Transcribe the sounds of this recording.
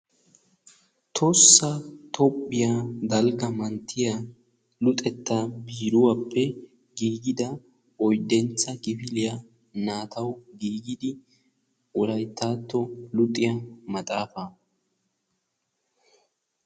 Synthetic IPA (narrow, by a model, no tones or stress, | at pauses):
t̪ʰɔsːɐt̪ʰɔpʼːɪjad̪ɐlɡɐmɐnt̪ʰːɪjɐ | lʊt̪ʼɛt̪ːabiːɾʊwapʰːɛ | ɡiːɡɪd̪ɐ | ɔjd̪ːɛnt͡sːɐɡɪfɪlɪjɐ | naːt̪ɐwɡiːɡɪd̪ɪ | ʔɔlɐjt̪aːt̪ːɔlʊt̪ʼːɪjɐmɐt̪ʼaːfɐ